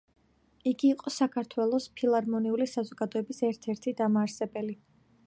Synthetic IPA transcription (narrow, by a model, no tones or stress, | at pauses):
iɡiːqʼɔsakʰaɾt̪ʰwɛlˠɔspʰilˠaɾmɔniulisazɔɡad̪ɔɛbisɛɾt̪ʰɛɾt̪ʰid̪amaːɾsɛbɛli